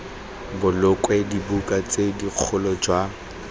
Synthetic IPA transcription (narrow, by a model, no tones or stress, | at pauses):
bʊlʊkʼwɛdibukʼat͡sʼediq͡χʰʊlɔd͡ʒwa